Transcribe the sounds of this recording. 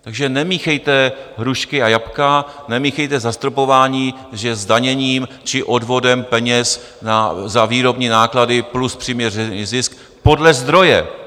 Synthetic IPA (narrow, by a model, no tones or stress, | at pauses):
t̪aɡʒɛnɛmiːxɛjt̪ɛɦɾuʃkɪajapkanɛmiːxɛjt̪ɛzast̪ɾopo̞vaːɲiː | ʒɛzdaɲɛɲiːm | t͡ʃɪʔo̞dvo̞dɛmpɛɲɛs | nazaviːɾo̞bɲiːnaːkladɪpluspr̥iːmɲɛrɛizɪsk | po̞dlɛzd̪ɾo̞jɛ̰